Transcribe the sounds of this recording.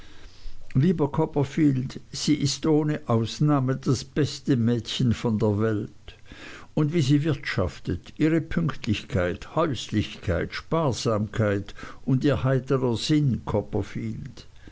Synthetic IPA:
liːbɐkʰɔpɐfiːldz̥iːʔɪstʔoːnəʔaʊsnaːmədasb̥ɛstəmɛːtçənfɔndeːɐvɛlt | ʊndviːziːvɪɐtʃa̰ftətʔiːʁəpʰʏŋktʰlɪçkʰaɪthœʏslɪçkʰaɪtʃpaːɐz̥aːmkʰaɪtʊndiːɐhaɪtəʁɐzɪnkʰɔpɐfiːld̥

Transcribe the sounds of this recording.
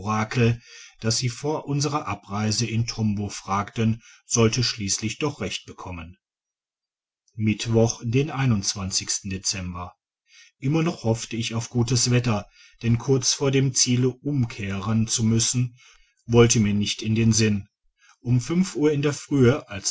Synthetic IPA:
ʁaːkʰl̩d̥asz̥iːfoːɐʔʊnzəʁɐʔapʁaɪzəʔɪntʰɔmbofʁ̥aːktənz̥ɔltəʃliːslɪçd̥ɔχʁ̥ɛçt̚b̥əkʰɔmən | mɪtv̥ɔχd̥eːnʔaɪnʊnt͡sv̥ant͡sɪçstn̩det͡sɛmbɐ | ʔɪmɐnɔχhɔftəɪçaʊfɡ̥uːtəsv̥ɛtɐ | d̥ɛnkʰʊɐt͡sfoːɐdeːmt͡siːləʔʊmkʰeːʁənt͡sumʏsn̩ | vɔltəmiːɐnɪçtɪndeːnzɪn | ʔʊmfʏnfʔuːɐɪndeːɐfʁ̥yːəʔals

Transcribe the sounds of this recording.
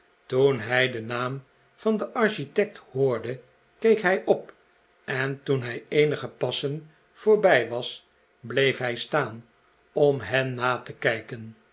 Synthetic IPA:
tunɦɛjdənaːm | vɑndəʔɑɹʃitɛk̚thoːɹdə | kejkɦɛjʔɔp | ɛntunɦɛjejnəχəpɑsən | v̥ʊːɹbɛjʋɑs | blejfɦɛjstaːn | ɔmɦɛnːaːtəkɛjkən

